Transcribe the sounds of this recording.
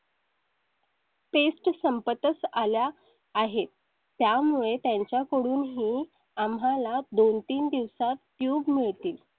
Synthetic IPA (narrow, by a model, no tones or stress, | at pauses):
pesʈsəmpət̪ət͡saljaː | ɦet̪ː | jamuɭet̪jaɲt͡ɕjakəɽuːnɦiː | amalad̪ont̪iːnd̪iʋsat̪kjuːbmiɭt̪iːl